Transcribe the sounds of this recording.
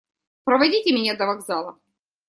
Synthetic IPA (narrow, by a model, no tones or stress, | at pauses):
pɾəvɐdʲitʲɪmʲɪnʲad̪əvɐɡzalˠɐ